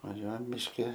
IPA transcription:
ʋɐˈʒʲuɔjɛm mʲɪʃʲˈkʲɪ

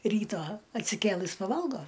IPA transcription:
ˈrʲiːtɑː ɐtʲsʲɪˈkʲeːlˠɨs pɐˈʋɐlˠɡoː

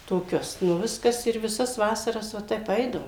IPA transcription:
toːˈkʲʊs nʊ ˈʋʲɪskɐs ɪr ʋʲɪˈsɐs ˈʋɑːsɐrɐs ʋɐ ˈtʲɛp ˈɛɪdɐʋoːm

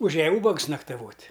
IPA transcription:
ʊˈʒʲæːjɛ ˈuːbɐks nɐktɐˈʋoːtʲ

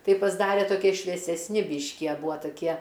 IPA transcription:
ˈtɐɪ pɐzˈdɑːrʲɛ toːˈkʲiɛ ʃʲʋʲiɛsʲɛsʲˈnʲɪ ˈbʲiːʃʲkʲɪ ɐ ˈbuːɐ tɐˈkʲiɛ

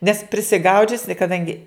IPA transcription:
nʲɛs pʲrʲɪsʲɪˈɡɐʊd͡ʒʲʊsʲɪ kɐˈdɐŋʲɡʲɪ

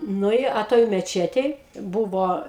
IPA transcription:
ˈnʊ ɪ ɐ ˈtoːj mʲɛˈt͡ʃʲæːtʲeːj ˈbuːʋoː

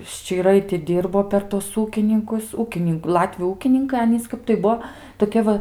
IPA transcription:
ʃʲt͡ʃʲiːˈrɐɪ tʲɪ ˈdʲiːrboː pʲɛr ˈtuɔs ˈuːkʲɪnʲɪŋkʊs ˈuːkʲɪnʲɪŋk ˈlˠɑːtʲʋʲʊ ˈuːkʲɪnʲɪŋkɐɪ ˈɑːnʲiːs ˈkɐp tɐɪ ˈbuɔ toːˈkʲiɛ ʋɐ

